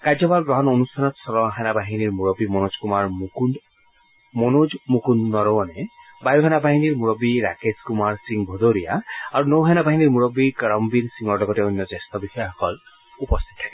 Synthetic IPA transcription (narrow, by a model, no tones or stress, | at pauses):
kad͡ʒɔbalɡɾɔɦɔnonust̪ʰanɔt̪sɔɾɔɦanabaɦiniɾmuɾɔbimonod͡ʒkumaɾmukun | monod͡ʒmukunːɔɾɔɔne | bajuɦanabaɦiniɾmuɾɔbiɾa̰keskumaɾsiŋbʱɔd̪oɾija̰aɾunowɦanabaɦiniɾmuɾɔbikaɾɔmbiɾsiŋɔɾɖɔɡɔteunjɔd͡ʒest̪ɔbixʰɔjaɦɔkɔl | upɔst̪ʰit̪ɔtʰake